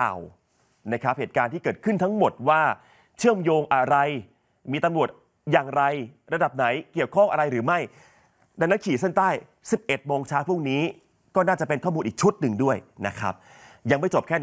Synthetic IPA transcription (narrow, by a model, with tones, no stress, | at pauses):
a̰ː˨˩w | na˦˥kʰɾa˦˥p̚heː˨˩t̪kaː˧nt̪iː˥˩kɤː˨˩t̪̚kʰɯ˥˩nt̪ʰa˦˥ŋmo˨˩t̪̚waː˥˩ | t͡ɕʰɯ˥˩əmjoː˧ŋʔa˧ɾa˧j | miː˧t̪a˧mɾu˨˩ət̪̚ | jaː˨˩ŋɾa˧jɾa˧da˨˩p̚na˩˦jki˨˩əwkʰɔ˥˩ŋʔa˧ɾa˧jɾɯː˩˦ma˥˩j | da˧ŋna˦˥nkʰiː˨˩˦se˥˩nt̪aː˥˩j | si˨˩p̚ʔe˨˩t̪̚moː˧ŋt͡ɕʰaː˦˥wpʰu˥˩ŋniː˦˥ | kɔː˥˩naː˥˩t͡ɕa˨˩pe˧nkʰɔ˥˩muː˧nʔiː˨˩k̚t͡ɕʰu˦˥t̪̚nɯ˧ŋdu˥˩əjna˦˥kʰɾa̰˦˥p̚ | ja˧ŋma˥˩jt͡ɕo˨˩p̚kʰɛː˥˩